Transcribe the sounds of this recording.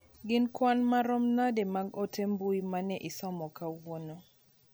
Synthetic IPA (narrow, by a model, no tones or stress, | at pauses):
ɡɪnkwanmaɾɔmnademaɡotembuimanɛʔisɔmɔkawono